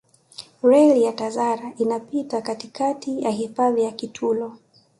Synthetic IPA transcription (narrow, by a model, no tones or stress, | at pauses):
ɾɛlijatazaɾaʔinapitakatikatijaɦifaðijakitʰulɔ